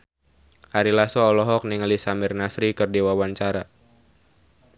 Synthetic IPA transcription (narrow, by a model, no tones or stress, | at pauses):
ʔaɾilasɔːlɔɦɔk̚niŋalisamɪrnasɾikɨrdiwawaɲt͡ʃaɾa